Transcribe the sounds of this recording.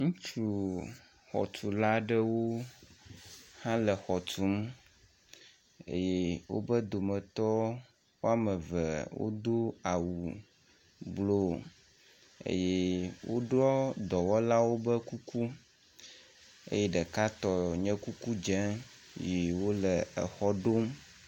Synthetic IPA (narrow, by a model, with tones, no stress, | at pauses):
ŋũ˦t͡ʃu˨ | xɔ̰˨t̪u˨la˦ɖɛ˦wo˦ | hã˦lə˨xɔ˨tu˦m | ḛ˦jɛ˦wo̰˦bə˦d̪o˨mɛ̃˨t̪ɔ˦ | wo˦a˦mɛ̃˨vɛ˨wo̰˦d̪o˦a˨wu˨ | blo˦ | ḛ˦jɛ˦wo̰˦ɖɾɔ˦d̪ɔ˨wɔ˦la˦wo˦bə˦ku˦ku˦ | ḛ˦jɛ˦ɖɛ˨ka˦t̪ɔ˨ɲɛ̃˦ku˦ku˦d͡ʒɛ̃˦ji˨wo˦lə˨ə˨xɔ˦ɖo˦m